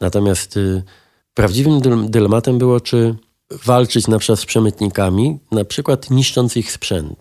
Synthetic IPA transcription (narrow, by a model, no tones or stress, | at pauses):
nat̪ɔmʲjast̪ | pɾavd͡ʑivɘmd̪ɘlɛmat̪ɛmbɘwɔt͡ʂɘ | valt͡ʂɘt͡ɕnapʂat̪spʂɛmɘt̪ɲikamʲinapʂɘkwat̪ɲiʂt͡ʂɔnt̪sixspʂɛnt̪